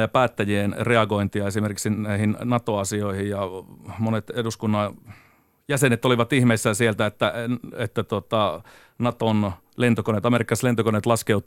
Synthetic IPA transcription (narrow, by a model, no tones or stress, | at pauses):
jɑpæːt̪ːæjienreɑɡoint̪iɑesimerkiksinæihinnɑt̪oɑsioihijjɑmonet̪eduskunːɑ | jæsenet̪oliʋɑt̪ihmeisːæsielt̪æet̪ːæet̪ːæt̪uot̪ɑ | nɑt̪on | lent̪okonet̪ɑmerikːɑslent̪okonet̪lɑskeut̪ˑ